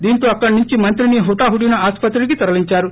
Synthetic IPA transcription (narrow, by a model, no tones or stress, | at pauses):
d̪iːnt̪oːɐkːɐɽnuɲt͡ʃimɐnt̪̬ɾiniɦut̪aːɦuɽjunɐaːspɐt̪ɾuɽik̬it̪ɐɾɐliɲt͡ʃaːɾu